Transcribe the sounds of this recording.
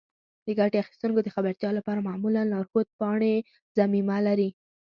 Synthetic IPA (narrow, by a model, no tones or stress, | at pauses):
d̪̥əɡaʈeaxi̥st̪uŋkod̪əxabaɾt̪jɑlapɑɾamamulanlɑɾxot̪̚pɑɳe | zamimalaɾi